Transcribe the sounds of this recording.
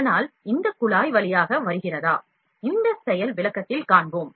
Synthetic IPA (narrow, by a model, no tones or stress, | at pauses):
naːlɪnd̪ɐkːʊɭaːjʋɐɭɪjaːɣɐʋɐɾɯɣɪrɐðaː | ɪnd̪ɐsɛjɐlʋɪɭɐkːɐt̪ːɪlkaːɳboːm